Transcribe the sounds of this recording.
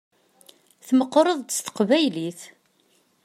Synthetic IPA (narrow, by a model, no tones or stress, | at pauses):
θməqːɾˤəðˤt̪st̪ə̥qvæjliθ